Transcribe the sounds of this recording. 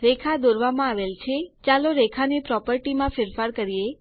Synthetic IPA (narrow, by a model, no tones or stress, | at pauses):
ɾekʰad̪oɾʋamãaʋelt͡ʃʰet͡ʃaloɾekʰanipɾɔpəɾʈimãfɪɾfaɾkəɾije